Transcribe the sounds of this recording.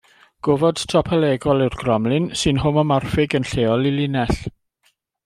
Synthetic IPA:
ɡ̥ovɔd̥tʰɔpʰɛlɛɡɔlˠɪwrɡ̥rɔmlɪnsɨnɦʊmɔmarfɪɡənɬeːɔlˠɪlˠɪnɛɬ

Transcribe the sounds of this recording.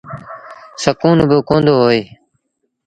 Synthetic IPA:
səkuːnbəkõːnd̪oːɦoːeː

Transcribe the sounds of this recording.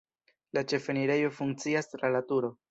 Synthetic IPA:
lat͡ʃe̞fe̞niɾe̞jo̞fuŋk̚t͡siastɾalatuɾo̞

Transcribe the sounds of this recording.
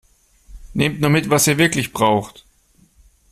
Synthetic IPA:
neːmtnuːɐmɪtv̥asiːɐvɪɐklɪçb̥ʁaʊxt

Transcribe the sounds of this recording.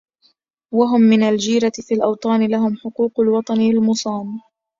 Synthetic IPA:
waɦʊmːɪnald͡ʒiːɾat̪ɪfiːlʔɑwt̪ˤɑːnɪlaɦʊmħʊquːqalwɑt̪ˤɑnɪɪlmʊsˤɑːm

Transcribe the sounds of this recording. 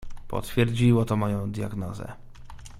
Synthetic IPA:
pɔ̰t̪fʲjɛɾd͡ʑiwɔt̪ɔmɔjɔ̃w̃d̪ja̰ɡnɔzɛ̰

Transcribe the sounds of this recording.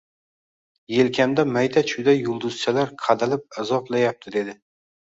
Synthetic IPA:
je̞lkʲʰamd̪amajd̪ʰat͡ʃʰʊd̪aːʊlˠd̪ʊz̥t͡ʃʰalaɾqʰɑd̪alɪp̚azɒplajap̚t̪ʰɪd̪e̞d̪ɪ

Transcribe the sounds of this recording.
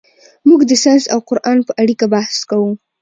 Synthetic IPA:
muɡd̪əsanzawqʊɾʔɑnpəʔaɽikabahskawu

